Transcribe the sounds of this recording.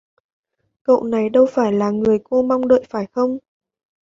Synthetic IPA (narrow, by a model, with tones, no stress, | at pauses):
kə̰˧˨wna˨˩jɗə˧wfaː˧˩jlaː˨˩ŋɨ˨˩əjko˧ma˧wŋ͡mɗə̰ː˧˨jfaː˧˩jxə˧wŋ͡m